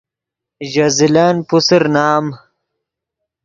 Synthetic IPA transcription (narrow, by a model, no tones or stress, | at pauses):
ʑɐzilanpusiɾnaːm